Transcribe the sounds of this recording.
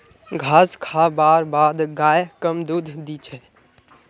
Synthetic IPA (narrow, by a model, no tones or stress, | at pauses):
ɡʱaskʰabaɾbad̪ɡajkəmd̪ud̪ʱd̪it͡ʃʰɛ